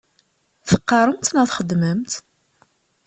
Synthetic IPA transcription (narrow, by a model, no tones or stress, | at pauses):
θəqːɑɾˤəmt̪nəθχəd̪məmt̪